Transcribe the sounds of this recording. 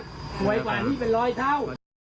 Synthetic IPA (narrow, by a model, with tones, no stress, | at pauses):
kʰu˨˩əjkwaː˨˩t̪ʰiː˥˩p̬e˧nɾɔː˦˥jt̪ʰa˥˩w